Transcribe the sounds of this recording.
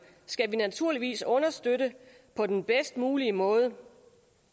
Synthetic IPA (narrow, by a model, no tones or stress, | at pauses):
sɡ̥æʋinæt͡sʰuɐ̰liʋḭːsɔ̽nɐsd̥øɾə | pʰɒ̽d̥enb̥esd̥muːliəmɔ̽ːð̞ˠə